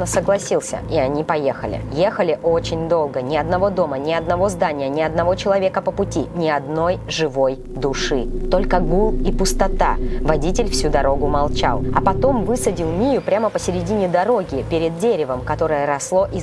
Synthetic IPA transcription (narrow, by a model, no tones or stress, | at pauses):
əsəɡlˠɐsʲilˠsʲə̰ʔɪɐnʲipɐjexə̰lʲɪ̰je̞xəlʲɪʔo̞t͡ɕɪnʲd̪o̞lˠɡənʲɪɐd̪nɐvo̞d̪o̞mənʲɪɐd̪nɐvo̞zd̪anʲɪjənʲɪɐd̪nɐvo̞t͡ɕɪlˠɐvʲe̞kəpəpʊtʲinʲɪɐd̪no̞jʐɨvo̞j | d̪ʊʂɨt̪o̞lʲkəɡulˠipʊst̪ɐt̪avɐdʲitʲɪlʲfsʲud̪ɐɾo̞ɡʊmɐlˠt͡ɕa̰lˠɐ̰pɐt̪o̞mvɨsədʲɪlˠmʲijʊpɾʲaməpəsʲɪɾʲɪdʲinʲɪd̪ɐɾo̞ɡʲɪpʲeɾʲɪd̪̚ːʲeɾʲɪvəmkɐt̪o̞ɾəjəɾɐslˠo̞ʔi